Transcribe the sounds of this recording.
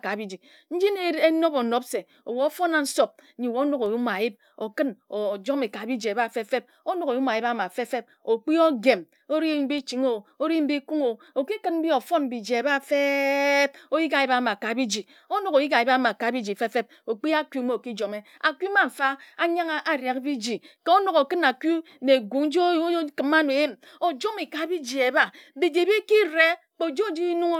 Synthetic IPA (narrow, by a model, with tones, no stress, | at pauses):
ka˨bi˦d͡ʒi˨ | n̩˦d͡ʒi˦n˦e˦no˦bo˨no˦pse˨ | o˨wo˨o˦fo˦na˨n̩˦so˦b̩̚˦ɲi˨wo˨˦o˦no˦ko˨ju˦ma˨a˨ji˦b̚ | o˨kɨ˦no˨d͡ʒo˦me˨ka˨bi˦d͡ʒe˨ba˦˨fe˦fe˦p̚ | o˦no˦ko˨jma˨ji˦ba˦ma˨fe˦fe˦p̚o˨k͡pi˦o˦ɡe˨m | o˦ɾi˦m̩˦bi˦t͡ʃi˨ŋo˨o˦ɾi˦m̩˦bi˦ku˦ŋo˨ | o˨ki˦kɨ˦nm̩˦bi˦o˨fo˦nm̩˨bi˨d͡ʒe˨e˨ba˦˨fe˦b̚o˦ji˦ka˨ji˦ba˦ma˨ka˨bi˦d͡ʒi˨ | o˦no˨ko˨ji˦ka˨ji˦ba˦ma˨ka˨bi˦d͡ʒi˨fe˦fe˦b̚ | o˨k͡pi˦a˦kʷu˦me˦o˨ki˦d͡ʒo˨me˦a˨kʷu˦ma˨ɱ̩˨fa˦a˦ɲa˦ŋa˦ʔa˦ɾja˨kbi˦d͡ʒi˨ke˦o˦no˨ko˨kɨ˦na˨ku˦ | ne˨ɡʷu˨˦ŋ̩˦d͡ʒo˦kɨ˨ma˦no˨e˦m | o˨d͡ʒo˦mi˨ka˨˦bi˦d͡ʒi˨e˨˦ba˦bi˨d͡ʒi˨bi˦ki˦ɾe˦ | k͡po˨d͡ʒo˦˨d͡ʒi˦nu˦ŋo˦